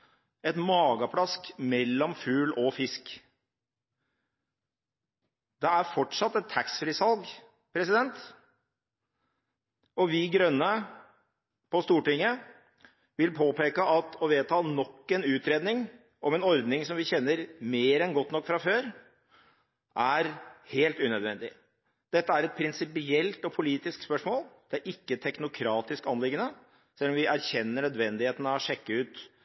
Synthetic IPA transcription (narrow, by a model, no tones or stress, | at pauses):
ɛt̪mɑːɡɑpʰlɑskmɛlːɔmfʉːlɔfɪsk | d̪ɛæɾfɔʈʂɑt̪ːɛt̪t̪ʰæksfɾɪsɑlˠɡ | pʰɾɛsɪd̪ɛnt̪ | ɔʋɪɡɾœnːə | pɔst̪uːʈɪŋːə | ʋɪlpʰoːpeːkəʔɑt̪ʰɔʋeːt̪ʰɑːnɔkːɛnʉːt̪ɾeːd̪nɪŋ | ɔmɛnɔɾd̪nɪŋsɔmʋɪçɛnːəɾmeːɾɛnɡɔt̪ːnɔkːfɾɑføːɾ | ʔæɾheːlt̪ʉnœd̪ʋɛnd̪ɪ | d̪̥ɛt̪ːəæɾɛt̪̚pʰɾɪnsɪpɪɛlt̪ɔpʰʊliːt̪ɪskspœʂmoːld̪̥ɛæɾʔɪkːət̪ʰɛknʊkʰɾɑːt̪ɪskɑnlɪɡːənə | sɛlːɔmʋɪʔæɾçɛnːəɳœd̪ʋɛnd̪ɪheːt̪n̩ɑʋɔʂɛkːəʉːt̪